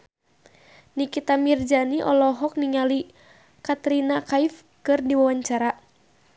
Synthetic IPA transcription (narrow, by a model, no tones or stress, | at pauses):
nikit̪amird͡ʒaniʔɔlɔɦɔk̚niŋali | kat̪ɾinakaif | kɨrdiwawaɲt͡ʃaɾa